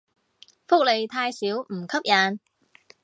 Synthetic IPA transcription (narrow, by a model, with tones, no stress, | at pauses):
fʊ˥k̚le˨jt̪ʰaː˧jsiː˨˥wm̩˨˩kʰɐ˥p̚jaː˨˧n